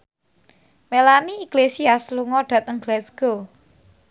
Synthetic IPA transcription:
melaniːɡ̥lesiasluŋɔɖ̥a̤t̪əŋɡlɛsɡ̥o

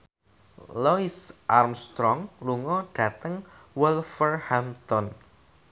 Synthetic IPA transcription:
lɔisʔarmst̪ɾɔŋluŋɔɖ̥a̤t̪əŋwɛlfərhamt̪ɔn

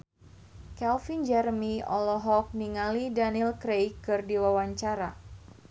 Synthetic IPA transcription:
kɛlfind͡ʒɛrmiɔlɔɦɔk̚niŋalidanilkɾejkɨrdiwawaɲt͡ʃaɾa

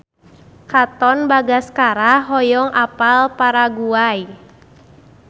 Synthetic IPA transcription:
kat̪ɔnbaɡaskaɾaɦɔjɔŋʔapalpaɾaɡuaj

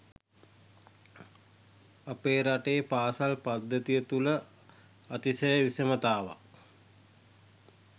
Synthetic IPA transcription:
apeːɾaʈeːpaːsalpad̪ːət̪ijət̪ulə | at̪isəjəʋisəmət̪aːʋa̰

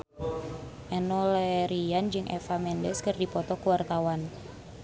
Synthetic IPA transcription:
ʔɛnɔlɛɾiand͡ʒɨŋʔɛ̰famɛndɛskɨrdipɔt̪ɔkuwart̪awan

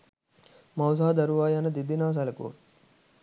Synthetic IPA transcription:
mɐws̬aːd̪ɐɾuʋaːjanɐd̪id̪inaːs̬ɐlɐkṵː

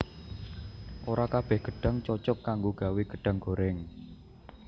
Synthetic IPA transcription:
ʔoɾakab̥ɛhɡ̥ə̤ɖ̥a̤ŋt͡ʃɔt͡ʃɔkːaŋɡoɡ̥a̤wiɡ̥əɖ̥a̤ŋɡo̤ɾɛŋ

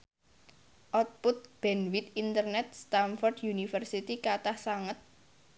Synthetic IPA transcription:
ʔɔt̪̚pʊt̪̚b̥ɛnwit̪int̪ərnɛt̪̚st̪amfɔrdjunifərsit̪ikat̪ahsaŋət̪̚

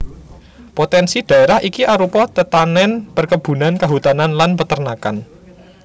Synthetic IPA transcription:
pot̪ɛnsid̪̥ä̤eɾahʔikiʔaɾupɔt̪ət̪anɛnpərkəb̥ṳnankaɦut̪ananlanpət̪ərnaka̰n

